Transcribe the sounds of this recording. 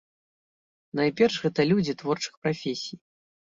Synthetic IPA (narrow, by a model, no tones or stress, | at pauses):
najpʲɛrʂɣɛt̪ɐlʲud͡zʲit̪vɔrt͡ʂɨ̥xpɾafʲesʲij